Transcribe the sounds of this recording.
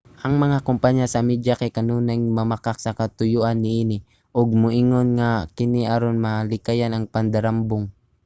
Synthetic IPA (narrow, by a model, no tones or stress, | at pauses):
ʔɐŋmɐŋakʊmpaɲasɐmid͡ʒakajkɐnuːnajmɐmakak̚sɐkɐt̪ʊjʊʔanːɪʔinɪ | ʔoɡ̚mʊʔiŋonŋakɪniʔaɾonmalɪkajanɐŋpɐnd̪aɾambʊŋ